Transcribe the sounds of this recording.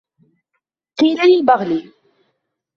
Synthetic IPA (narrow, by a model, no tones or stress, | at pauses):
qiːlalɪlbɑɣli